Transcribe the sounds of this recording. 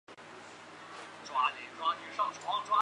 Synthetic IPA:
ʈ͡ʂwa˥li˨˩ʈ͡ʂwa˥t͡ɕy˧˥ʂɤ˥˩ŋʈ͡ʂʰwɑ˧˥ŋʈ͡ʂwa˥

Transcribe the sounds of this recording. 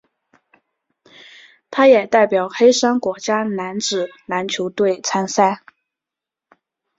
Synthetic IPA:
t̪ʰa˥jɛ˨˩t̪a˥˩ɪpjɑ˨˩ʊxe˥ɪʂa˥ŋkwɔ˧˥t͡ɕja˥na˧˥nʈ͡ʂɻ̩˨˩na˧˥nt͡ɕʰjo˧˥ʊt̪we˥˩ɪt͡sʰa˥nsa˥ɪ

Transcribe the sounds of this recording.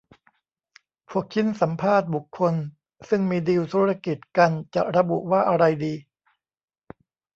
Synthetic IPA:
pʰu˥˩ək̚ʰi˦˥nsa˩˦mpʰaː˥˩t̪̚bu˨˩kʰːo˧n | sɯ˥˩ŋmiː˧diː˧wt̪ʰuː˦˥ɾa˧ki˨˩t̪̚ka˧nt͡ɕa˨˩ɾa˧bṵ˨˩waː˥˩ʔa˧ɾa˧jdiː˧

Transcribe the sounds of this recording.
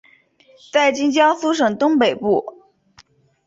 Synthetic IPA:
t͡sa˥˩ɪt͡ɕi˥ŋt͡ɕjɑ˥ʊsu˥ʂ̬ɤ˨˩ŋt̪ʊ˥ŋpe˨˩ɪpu˥˩

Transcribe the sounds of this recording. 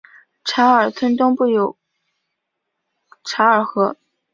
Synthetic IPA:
ʈ͡ʂʰa˧˥ə˞˨˩t͡sʰwə˥nt̪ʊ˥ŋpu˥˩jo˨˩ʊ | ʈ͡ʂʰa˧˥ə˞˨˩xɤ˧˥

